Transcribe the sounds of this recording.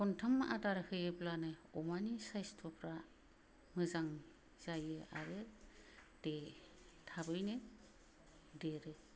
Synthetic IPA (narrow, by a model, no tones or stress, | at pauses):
kʰɔntʰamʔa̰daɾɯhʰɯjɯblanɯɔmanisajstʰɔpʰɾa | mɯzaŋ | z̥ajɯʔaɾɯ | d̥e | tʰabɯjnɯ | deɾɯ